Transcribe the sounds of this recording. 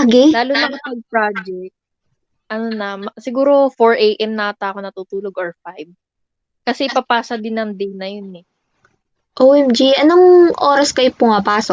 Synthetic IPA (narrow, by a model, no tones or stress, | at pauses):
aɡɛlaːlonɐmɐpɐɡ̚pɾaːd͡ʒɛk̚t̪̚ | ʔɐnonɐmɐsɪɡuːɾo̞foɹʔɛjʔɛmnɐʔat̪aːkonɐt̪uːt̪uːloɡoɹfajb̚ | kɐsɛʔɪpapaːsɐd̪ɪnɐŋd̪ɛjnɐjonɛ | ʔowʔɛmd͡ʒiʔɐnoŋʔoːɾɐskɐjopʊŋapaːso